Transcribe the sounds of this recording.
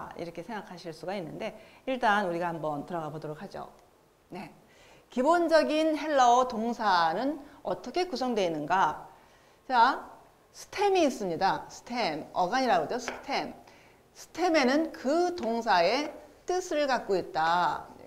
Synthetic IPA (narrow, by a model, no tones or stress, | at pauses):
ḭɾʌkʰe̞sʰeŋɡakʰaɕʰiɭs͈uɡainːɯnde̞ | iɭt͈anuɾiɡahambʌntɯɾʌɡabodoɾok̚had͡ʑo̰ | ne̞ | kibond͡ʑʌɡinhe̞ɭːʌtoŋsʰanɯnʌt͈ʌkʰe̞kusʰʌŋdwe̞inːɯnɡa | t͡ɕa | sʰɯ̥tʰe̞miːs͈ɯmɲidasʰɯ̥tʰe̞mʌɡaɲiɾaɡod͡ʑosʰɯ̥tʰe̞m | sʰɯ̥tʰe̞me̞nɯnkɯtoŋs̬ʰae̞t͈ɯsʰɯɭkak̚k͈oit̚t͈a